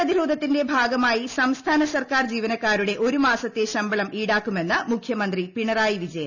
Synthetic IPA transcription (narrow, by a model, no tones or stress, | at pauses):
ɐðiɾo̞ːd̪ʱɐt̪ːinde̞bʱaːɡɐmaːjisɐmst̪ʰaːnɐsɐrkaːrd͡ʑiːʋɐnɐkːaːɾuɽe̞ʔo̞ɾumaːsɐt̪ːeɕɐmbɐɭɐmiːɽaːkːume̞nːɐmukʰjɐmɐnd̪ripiɳɐraːjiʋid͡ʑɐjɐ